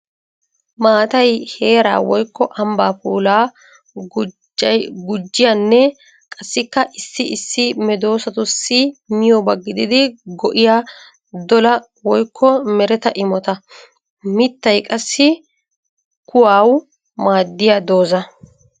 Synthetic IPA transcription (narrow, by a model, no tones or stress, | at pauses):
maːt̪ɐjhe̞ːɾa̰ːwɔjkːɔʔɐmbaːpuːlaː | ɐjɡʊd͡ʒːɪjaːnːɛ | kʼɐsːɪkːɐʔɪsːɪɪsːɪmɛd̪o̞ːsɐt̪ʊsːɪmɪjɔbɐɡːɪd̪ɪd̪ɪɡɔʔɪjaː | d̪ɔlɐ | wɔjkʰːɔmɛɾɛt̪ɐʔɪmɔt̪ɐ | mɪt̪ːɐjkʼɐsːɪ | kʊwaːw | maːd̪ːɪjad̪o̞ːzɐ